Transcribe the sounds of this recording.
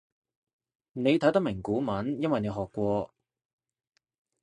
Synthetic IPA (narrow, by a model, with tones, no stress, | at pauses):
ne˨˧jt̪ʰɐ˨˥jt̪ɐ˥mɪ˨˩ŋkuː˨˥mɐ˨˥njɐ˥nwɐ˨jne˨˧ɦɔː˨kːʷɔː˧